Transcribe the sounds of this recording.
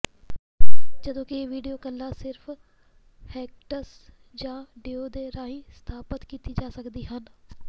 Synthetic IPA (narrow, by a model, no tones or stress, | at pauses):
d͡ʒəd̪õːkɪeːʋiːɖijoːkəlːaːsɪɾfʰ | hɛːk̚ʈəsd͡ʒãːɖeːoːd̪eːɾaːĩːst̪ʰaːpət̪kiːt̪iːd͡ʒaːsəkd̪iːɦən